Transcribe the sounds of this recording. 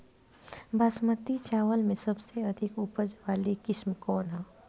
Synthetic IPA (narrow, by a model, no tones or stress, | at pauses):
bʱasmət̪it͡ʃaːʋəlmẽsɐbseɐd̪ʱɪkupəd͡ʒʋaːlikɪʃmkɔːnɦaː